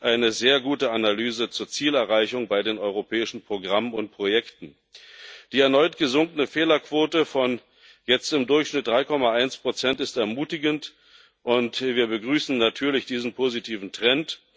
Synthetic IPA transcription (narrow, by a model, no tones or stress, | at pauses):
ʔaɪnəzeːɐɡuːtəanalyːzət͡suːɐt͡siːlɛɐʁaɪçʊŋbaɪdeːnʔɔʏʁopʰɛːɪʃn̩pʁ̥oɡʁamənʊnt̚pʁ̥ojɛktn̩ | d̥iːɛɐnɔʏtɡ̥əzʊŋkənəfeːlɐkv̥oːtəfɔn | jɛt͡stɪmdʊɐçʃnɪt̚d̥ʁaɪkʰɔmaʔaɪnspʁ̥ot͡sɛntɪstɛɐmuːtɪɡənt | ʔʊntviːɐbəɡʁyːsn̩natʰyːɐlɪçd̥iːzn̩pʰoːzitʰiːvn̩tʁ̥ɛnt